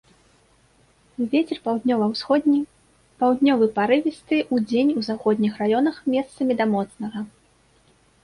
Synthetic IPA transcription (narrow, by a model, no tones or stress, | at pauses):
vʲet͡sʲɛrpawd̪nʲɔvɐwɔ | pawd̪nʲɔvɨpaɾɨvʲist̪ɨʔud͡zʲenʲuzaxɔd̪ʲnʲixrajɔnɐxmʲɛst̪sɐmʲid̪ɐmɔt̪snɐɣɐ